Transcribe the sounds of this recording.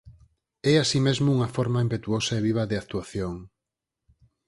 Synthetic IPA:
ɛasimezmʊuŋɐfoɾmaimpet̪uosɐeβ̞iβ̞ɐðɪak̚t̪uaθjoŋ

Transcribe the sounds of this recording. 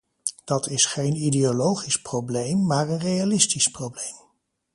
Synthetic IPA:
d̥ɑtɪsχejnideolowχisprowblejmːaːɹənrejalɪstisprowblejm

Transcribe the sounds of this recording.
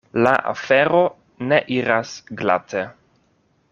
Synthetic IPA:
la̰ʔa̰fe̞ɾo̞ | ne̞ʔiɾasɡla̰tʰe

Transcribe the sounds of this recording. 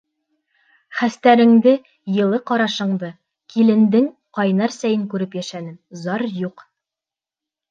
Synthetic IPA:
χæst̪æɾɘ̆ŋd̪ɘ | jɤ̆lˠɤqɒɾɑʃɤ̆ɴd̪ɤ | kʰilɘ̆nd̪ɘŋ | qɑjnɑɾsæjɘŋkʉɾɘpjæʃænɘmzɑɾjuq

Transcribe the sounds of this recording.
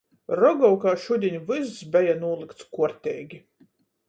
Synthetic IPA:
ɾɔɡɔwkaːʃud̪ʲiɲʲvɨzzbʲɛjanuɔlˠɨkt̪skuɔɾt̪ʲɛːɡʲi

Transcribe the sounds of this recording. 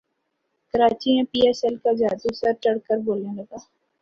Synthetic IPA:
kɐɾaːt͡ʃimẽpiːɛːsɛlkad͡ʒaːd̪usɐɾt͡ʃɐɽkəɾboːlẽlɐɡaː

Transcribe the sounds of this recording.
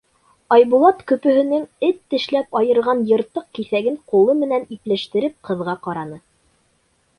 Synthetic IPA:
ɑjβulˠɑt̪kɵ̆pɵ̆ɦɘ̆nɘŋɘt̪ːɘ̆ʃlæpɑjɤ̆ɾʁɑnjɤ̆ɾt̪ːɤq̚kiθæɡɘŋqulˠɤmɘ̆næniplæʃt̪ɘ̆ɾɘp̚qɤ̆ðʁɑqɑɾɑnɤ

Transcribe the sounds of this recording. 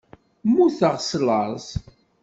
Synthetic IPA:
mːuθəʁsləɾˤz

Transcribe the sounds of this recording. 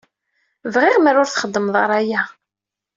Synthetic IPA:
vʁɪʁmæɾʊɾθχəd̪ːəmðˤɑɾˤæjæ

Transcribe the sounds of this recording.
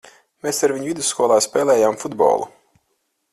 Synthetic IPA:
meːsaɾviɲuvid̪usːkuɔlˠaːspeːlˠɛːjaːmfud̪bɔ̰ːlˠṵ

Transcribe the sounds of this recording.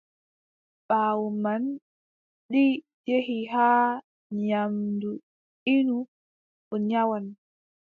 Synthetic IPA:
ɓaːwuman | ɗi | d͡ʒehiɦaː | ɲamdu | inu | ʔɔɲawan

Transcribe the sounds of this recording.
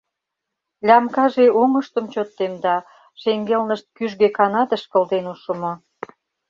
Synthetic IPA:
lʲɑmkɑʒeoŋə̆ʃt̪ə̆mt͡ɕot̪ːemd̪ɑ | ʃeŋɡelnəʃt̪̚kyʒɣekɑnɑt̪ə̆ʃkə̆ld̪enuʃə̆mŏ

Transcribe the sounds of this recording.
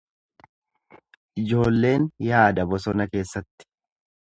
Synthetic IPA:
ʔɪd͡ʒo̞ːlːe̞ːnjaːd̪ɐbɔsɔnɐke̞ːsːɐt̪ːɪ̥

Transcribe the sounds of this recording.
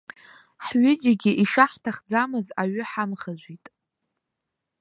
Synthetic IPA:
ħɥʏd͡ʒaɡʲɪʔiʂaħtʰaχd͡zamɨzaɥʏħamχazʷitʼ

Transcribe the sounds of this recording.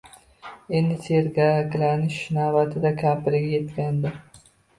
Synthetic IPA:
end̪ɪt̪ʰeɾɡaɡʲlanɪʃːɪnaːvat̪ʰɪd̪akʲʰaːpɪɾɪɡʲajet̪kʲand̪ɪ

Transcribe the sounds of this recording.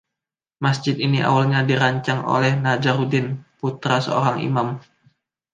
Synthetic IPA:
masd͡ʒɪt̪iniʔa̰walɲadiɾaɲt͡ʃaŋo̰lɛhnad͡ʒaɾudɪnput̪ɾasəo̰ɾaŋḭmam

